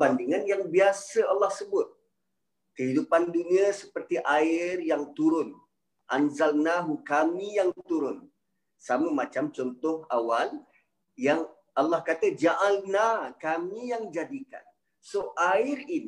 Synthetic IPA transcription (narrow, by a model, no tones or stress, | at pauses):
bandiŋanjaŋbiasəalːɑhsəbʊt̪̚ | kəɦidupandunĩəsəpərt̪iʔaɪrjaŋt̪uɾʊn | ʔanzalnaɦukamĩjaŋt̪uɾʊn | saməmat͡ʃamt͡ʃɔnt̪ʊhawal | jaŋ | ʔalːɑhkat̪əd͡ʒaʔalnakamijaŋd͡ʒadika̰n | soʔaɪɾini